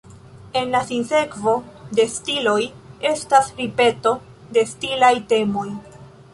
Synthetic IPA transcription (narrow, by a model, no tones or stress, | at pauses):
e̞nlasinse̞kvo̞de̞stilo̞je̞stasɾipe̞to̞ | de̞stilajte̞mo̞j